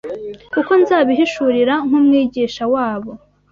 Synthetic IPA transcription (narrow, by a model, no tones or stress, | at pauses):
uko̞nzaːβiɦiʃuɾiɾaŋ̥umŋiːɟiʃawaːβo